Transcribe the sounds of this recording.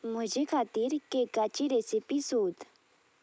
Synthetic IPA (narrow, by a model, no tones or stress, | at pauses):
mʊd͡ʒekʰaːt̪iɾkekat͡ʃiɾesipisoːd̪